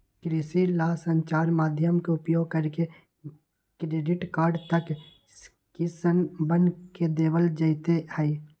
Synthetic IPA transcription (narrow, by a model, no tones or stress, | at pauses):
kɾɪsilaːsə̃ɲt͡ʃaːɾmaːd̪ʱjəmkoʊpjoːɡ̚kəɾke | kɾeːɖɪʈkaːɾɖt̪ək | s | kisənbənked̪eːʋəld͡ʒəit̪ehɛi